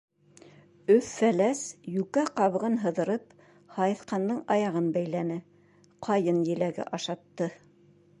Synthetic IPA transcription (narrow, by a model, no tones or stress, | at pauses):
ɵffælæsjʉkæqɑβɤ̆ʁɤnɦɤ̆ðɤ̆ɾɤp | hɑjɤ̆θqɑnd̪ɤɴɑjɑʁɤnbæjlænɘ | qʰɑjɤnjɘ̆læɡɘ̰ʔɑʃɑt̪ːɤ